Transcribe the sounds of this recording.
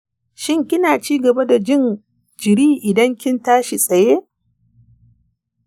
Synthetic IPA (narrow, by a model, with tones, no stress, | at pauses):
ʃɪ˦ŋkʲɪ˦naː˨t͡ʃiː˦ɡɐ˨ba˦da˨d͡ʒɪ˦n | d͡ʒɪ˨ɾiː˦ʔɪ˨dɐ˦ŋkʲɪ˦ntaː˦ʃi˨sʼɐ˨je˦